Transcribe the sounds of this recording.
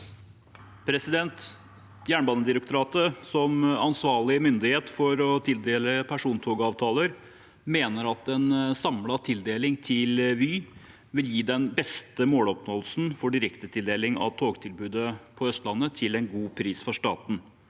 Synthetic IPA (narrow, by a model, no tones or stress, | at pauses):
pʰɾɛsɪd̪ɛnt̪ | jæːɳbɑːnːəd̪ɪɾək̚t̪ʊɾɑːt̪əsɔmɑnsʋɑːɭɪəmʏnd̪ɪheːt̪fɔɾɔt̪ʰɪld̪eːləpʰæʂuːnt̪ʰoːɡəɑːʋt̪ʰɑːləɾ | meːnəɾɑt̪ɛnsɑmlɑt̪ʰɪld̪eːlɪŋt̪ʰɪlʋyː | ʋɪljiːd̪ɛnbɛst̪əmoːlɔpnoːlsn̩fɔɖɪɾɛkt̪ət̪ʰɪld̪eːlɪŋɑ̰ʋt̪ʰoːɡt̪ʰɪlbʉːd̪əpʰɔœst̪lɑnːət̪ʰɪlɛnɡuːpʰɾiːsfɔʂʈɑ̰ːt̪n̩